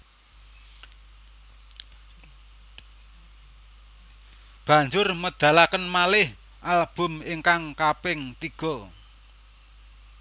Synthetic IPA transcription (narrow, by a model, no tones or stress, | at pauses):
b̥ä̤ɲd͡ʒʊrməd̪̥a̤lakənmalɪh | ʔalb̥ʊ̤mɪŋkaŋkapɪŋt̪iɡ̥ɔ